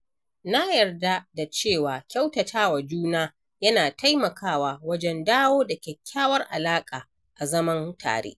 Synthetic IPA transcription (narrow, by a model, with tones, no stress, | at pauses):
na˦jɐ˨rda˦da˨t͡ʃeː˦˨waː˨kʲa˦wtɐ˨tʰaː˦wa˨d͡ʒuː˦naː˦ | jɐ˦naː˨ta˦jmɐ˨kʰaː˦˨waː˨wɐ˦d͡ʒɛ˦ndaː˦woː˦da˨kʲɛ˨kʲːaː˦wɐ˦rʔa˨laː˦kʼaː˨ | ʔa˨zɐ˦mɐ˦ntʰa̰ː˨ɽḛː˦ʔ